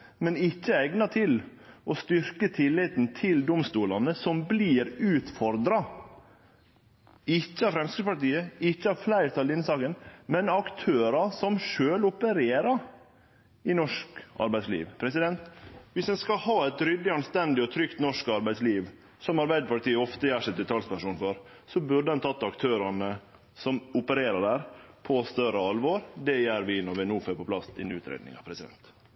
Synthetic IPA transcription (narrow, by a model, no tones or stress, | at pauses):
mɛnɪçːəɛɡnɑt̪ʰɪl | ʔɔst̪ʏɾkət̪ʰɪlːɪt̪n̩t̪ʰɪld̪ʊmst̪uːlɑnəsɔmbliːɾʉːt̪fɔɾd̪ɾɑ | ɪçːəɑʋfɾɛmskəpɑʈiːəɪcːəɑʋflæɪɾt̪ʰɑlɪnːsɑːkənmɛnɑkt̪ʰøːɾɑsɔmʂøːlʊpəɾeːɾɑɾ | ɪnɔʂkʔɑ̰ɾbæɪslḭːʋpʰɾɛsɪd̪ɛnt̪ʋɪsɛnskɑhɑːɛt̪ɾʏd̪ːɪɑnst̪ɛnd̪ɪɔt̪ʰɾʏkt̪nɔʂkɑɾbæɪsliːʋ | sɔmɑɾbæɪd̪əpɑʈ̪iːəɔft̪əjæːʂɛɪt̪̚d̪ɛt̪ʰɑlspæʂuːnfɔɾ | sɔbʉɖəɛnt̪ʰɑt̪ːɑkt̪ʰøːɾɑnə | sɔmʊpəɾeːɾəɖæɾpʰɔst̪œɾəɑlʋoːɾd̪ɛjæːɾʋɪnɔʋɛnuːfɛpʰɔpʰlɑsɪ̰nʉ̰ːt̪ʰɾḛːd̪nɪ̰ŋɑ̰pʰɾɛsɪd̪ɛ̰nt̪